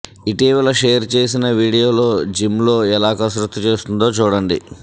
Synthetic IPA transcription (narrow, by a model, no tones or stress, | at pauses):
iʈiːʋɐlɐʂejɐɾt͡ʃe̞ːs̬inɐʋiːɽijo̞ːlo̞ːd͡ʒimlo̞ːɛlaːkɐsɾut̪ʰːit͡ʃe̞ːst̪und̪o̞ːt͡ʃuːɽɐɳɖḭ